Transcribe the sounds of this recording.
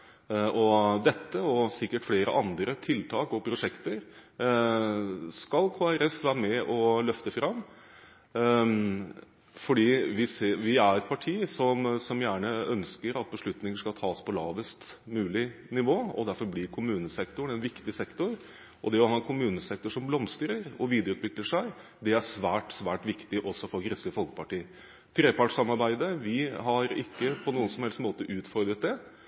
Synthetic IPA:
ʔɔd̪ɛt̪ːəɔsɪkːəʈfleːɾə̰ʔɑnd̪ɾət̪ʰɪlt̪ʰɑːkɔpʰɾʊʂɛkt̪əɾ | skɑlkʰoːæɾɛfʋæːɾəmɛʔɔlœft̪əfɾɑmː | fɔɖiːʋɪsʋɪæɾɛt̪̚pʰɑʈʰiːsɔmsɔmjæːɳəœnskəɾɑt̪̚bəʂɭʉt̪nɪŋəʂkɑlt̪ʰɑːspʰɔlɑ̰ːʋəst̪mʉːlɪnɪʋoːɔ̰d̪æɾfɔɾblɪɾkʰʊmʉːnəsɛkt̪ʊɳ̩ɛnʋɪkt̪ɪsɛkt̪ʊɾ | ʔɔd̪ɛɔhɑːɛnkʰʊmʉːnəsɛkt̪ʊʂɔmblɔmst̪ɾəɾɔʋiːd̪əɾʉːt̪ʰʋɪkləʂæɪ | d̪ɛæʂʋæːʈsʋæːʈʋɪkt̪ɪʔɔsːɔfɔɾɡɾɪskəfɔlkə̥pʰɑʈiːə | t̪ʰɾeːpʰɑʈʂɑmːɑɾbæɪd̪əʋɪɦɑɾɪ̰kːəpʰɔnuːənsɔmhɛlst̪moːt̪əʔʉːt̪fɔɾd̪ɾət̪̚d̪ɛ

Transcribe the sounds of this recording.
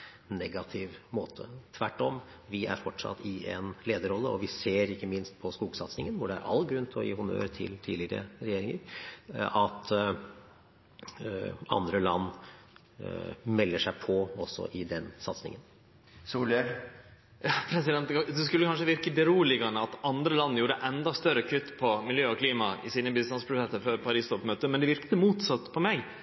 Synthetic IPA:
nɛɡɑt̪ʰɪʋmoːt̪ʰət̪ʰʋæʈːɔm | ʋɪæ̰ɾfɔʈʂɑ̰t̪ːɪʔɛ̰nleːd̪əɾɔlːəɔʋɪseːɾɪkːəmɪnst̪̚pʰɔskuːɡsɑt̪snɪŋənʋʊɖɛæɾʔɑ̰lːɡɾʉnt̪ʰɔ̰jḭːhʊnø̰ːɾt̪ʰɪ̰lt̪ʰiːlɪɾə̰ɾɛjeːɾɪŋə̰ɾ | ɑt̪ | ɑ̰nd̪ɾəlɑnː | mɛlːəʂæɪpʰɔɔsːɔ̰ʔɪd̪ɛnsɑt̪snɪ̰ŋən | suːləɾ | jɑːpʰɾɛsɪd̪ɛnt̪d̪ɛskʉlːəkʰɑnʂəʋɪɾkəbəɾuːlɪɡɑnəɑt̪ɑnd̪ɾəlɑnːjuːɾəʔɛnd̪ɑst̪œɾəkʰʏt̪ːpʰɔmɪljøːɔkʰliːmɑɪsiːnəbɪst̪ɑnspʰɾʊt̪ɛt̪əføːɾpʰɑɾiːst̪ɔpmøːt̪əmɛnd̪ɛʋɪɾkt̪əmuːt̪sɑt̪ːpʰɔmɛɡ

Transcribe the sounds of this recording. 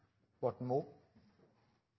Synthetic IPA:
bot̪̚mup̚

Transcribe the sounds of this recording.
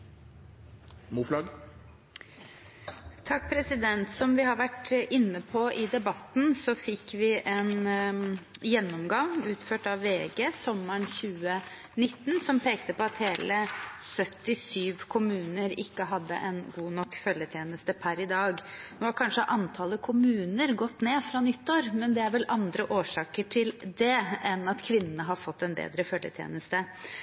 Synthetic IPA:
muːflɑɡ | t̪ʰɑk̚ːpʰɾɛsɪd̪ɛnt̪sɔmʋɪɦɑɾʋæʈʔɪnːəpʰɔʔɪd̪ɛbɑt̪n̩sɔfɪkːʋɪʔɛn | jɛnːɔmɡɑŋʉːt̪føːʈɑʋːeːɡesɔmːəɳçʉːə | nɪt̪ːnsɔmpʰeːkt̪əpɔɑt̪heːləsœt̪ːɪsyːʋkʰʊmʉːnəɾɪkːəɦɑd̪ːə̰ʔɛnɡuːnɔkːfœljət̪ʰjeːnəst̪əpʰæɾɪd̪ɑːɡnoːɑkʰɑnʂəʔɑnt̪ʰɑləkʰʊmʉːnəɾɡɔt̪ːneːfɾɑnʏt̪ːoːɾmɛnd̪ɛæɾʋɛlɑnd̪ɾəʔoːʂɑːkəʈʰɪld̪ɛɛnɑt̪kʰʋɪnːənəɦɑɾfɔt̪ːɛnbḛːd̪ɾəfœljə̰t̪ʰjḛːnəst̪ə

